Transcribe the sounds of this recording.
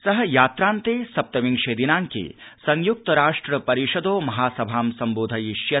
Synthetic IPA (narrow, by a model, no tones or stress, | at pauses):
sɐɦɐ̆jaːt̪ɾaːnt̪eːsɐp̚t̪ɐʋiŋʃeːd̪inaːŋkḛːsɐŋjuk̚t̪ɐɾaːʂʈɾɐpɐɾiʃɐd̪oːmɐɦaːsɐbʱaːmsɐmboːd̪ʱɐjiʃjɐ